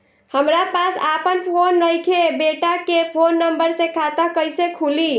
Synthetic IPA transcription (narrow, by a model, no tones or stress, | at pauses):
həmɾapasapənpʰonːəjkʰebeʈakepʰonːəmbəɾsẽkʰat̪əkəɪsekʰuli